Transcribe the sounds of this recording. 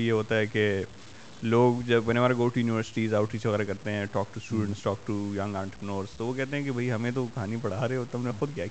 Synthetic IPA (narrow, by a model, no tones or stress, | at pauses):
jeɦoːt̪aɦɛke | loːɡd͡ʒɐbbɐneʋaːɾaɡoːʈujuːniʋəɾsɪ̥ʈiːzaːʊʈʰit͡ʃʋɐɣɛːɾakɐɾt̪eɦɛ̃ʈɔːk̚ʈusʈuːɖə̃ɳʈsʈɔːk̚ʈujɐ̃ŋɡãːɳʈpɾɪnoːɾst̪oʋokɛɦt̪ẽɦɛ̃kebʱɐiɦɐmẽt̪̬okɐɦaːnipɐɽ̤aːɾeot̪ɦɐmnexʊd̪kjaːk